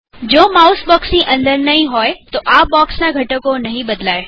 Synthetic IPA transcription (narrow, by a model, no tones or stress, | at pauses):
d͡ʑoːmaːʊsbɔːksĩʔɐ̃nd̪əɾnɐɦĩɦoːet̪oʔaːbɔːksnãɡʱɐʈəkonɐɦĩɓɐd̪laːe